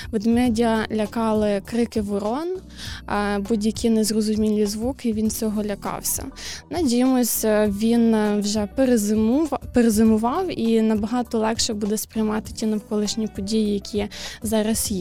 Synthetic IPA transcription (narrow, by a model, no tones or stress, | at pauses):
ʋɪd̪mɛdʲiɐlʲɐkɑlˠɪkɾɪkɪʋʊɾɔn | budʲjɐkʰɪnezrɔzʊmʲilʲizʋukɪʋʲint͡sʲɔɦɔlʲɐkɑ̰wsʲɐ̰nɛdʲijɛmɔsʲɐʋʲinwʒɛpeɾezmpeɾezɪmʊʋɑwinɐbɐɦɑt̪ɔlˠɛkʃɛbud̪ɛspɾʲɪjmɑt̪ɪ̥tʲinɐwkɔlˠɪʃnʲipɔdʲijijɐkʲʰizɑɾɐsji